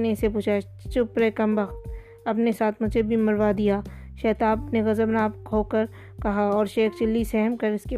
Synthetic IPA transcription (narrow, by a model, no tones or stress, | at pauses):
neɪsepuːt͡ʃʰa | t͡ʃʊpɾekɐmbɐxt̪ | ɐpnesaːt̪ʰmʊd͡ʒʱebʱimɐɾʋad̪ijaːʃɛːt̪aːbneɣɐzəbnaːpkʰoːkɐɾ | kɐɦaɔːɾʃeːxt͡ʃɪlːisɛɦəmkɐɾɪske